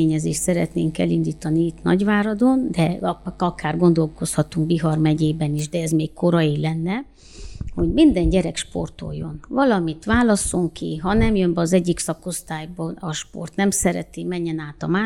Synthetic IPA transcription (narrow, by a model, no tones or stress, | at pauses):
eːɲɛzeːʃt̪sɛɾɛt̪nḛːŋkɛlind̪iːt̪ɒniit̪nɒ̰ɟʋaːɾɒd̪o̞nd̪ɛɒkaːrɡo̞nd̪o̞lko̞shɒt̪uŋkbiɦɒrmɛɟeːbɛniʒd̪ɛɛzmeːkkʰo̞ɾɒilɛnːɛ | ho̞ɟmind̪ɛɲɟɛɾɛkʃpo̞̰rt̪o̞̰jːo̞̰nvɒlɒmit̪ʋaːlɒsːo̞ŋkḭɦɒnɛmjømbɛɒzɛɟːiksɒko̞st̪aːjbɒɒʃpo̰rt̪nɛmsɛɾɛ̰t̪imɛɲːɛnaːt̪ɒmaː